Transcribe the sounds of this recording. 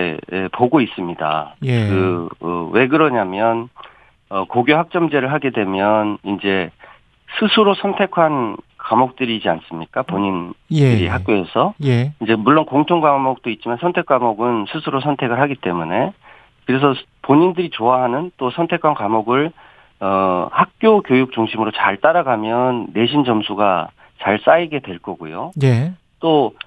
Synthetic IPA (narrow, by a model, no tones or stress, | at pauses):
ḛḛpoɡois͈ɯmɲida̰kɯʌ̰we̞ɡɯɾʌɲamjʌn | ʌkoɡjoɦak̚t͡ɕ͈ʌmd͡ʑe̞ɾɯɭɦaɡe̞dwe̞mjʌnind͡ʑe̞ | sʰɯsʰɯɾosʰʌntʰe̞kʰankamok̚t͈ɯɾid͡ʑians͈ɯmɲik͈apoɲindɯɾḭɦak̚k͈joesʰʌjid͡ʑe̞muɭːonkoŋtʰoŋɡamok̚t͈oit̚t͡ɕ͈imansʰʌntʰe̞k͈amoɡɯnsʰɯsʰɯɾosʰʌntʰe̞ɡɯɭɦaɡit͈e̞mune̞ | kɯɾe̞s̬ʰʌpoɲindɯɾit͡ɕoaɦanɯnt͈osʰʌntʰe̞kʰwankamoɡɯɭ | ʌhak̚k͈jokjojuk̚t͡ɕuŋɕʰimɯɾot͡ɕa̰ɭt͈aɾaɡamjʌnːe̞ɕ̬ʰind͡ʑʌmsʰuɡa | t͡ɕaɭs͈aiɡe̞dwe̞ɭk͈ʌɡujoje | t͈o